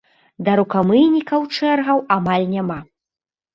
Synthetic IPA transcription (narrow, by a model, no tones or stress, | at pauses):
d̪ɐɾukamɨjnʲikɐwt͡ʂɛrɣɐwamalʲnʲama